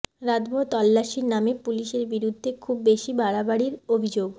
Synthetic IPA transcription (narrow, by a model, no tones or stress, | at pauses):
ɾad̪bʱot̪ɔlːaʃiɾnamepuliʃeɾbiɾud̪ʱːekʰubːeʃibaɽabaɽiɾobʱid͡ʑoɡ